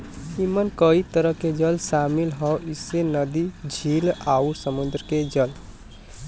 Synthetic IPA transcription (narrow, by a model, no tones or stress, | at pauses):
imənkəit̪əɾəked͡ʒəlʃaːmɪlɦɔʔɪsːenəd̪id͡ʒʱiːlaːuɾsəmʊ̃nd̪ɾked͡ʒəl